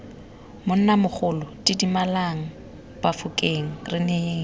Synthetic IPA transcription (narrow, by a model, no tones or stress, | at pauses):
mʊn̩namʊk͡xʰʊlʊtʼidimalaŋ̩ | bafʊkʼeŋ̩rɪneeːŋ̩